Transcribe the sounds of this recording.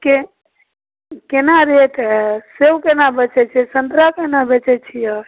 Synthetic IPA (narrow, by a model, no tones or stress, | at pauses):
ke | kenaɾet̪ɦɛsewkenabət͡ʃɛt͡ʃʰɛsənt̪ɾakenabet͡ʃɛt͡ʃʰijə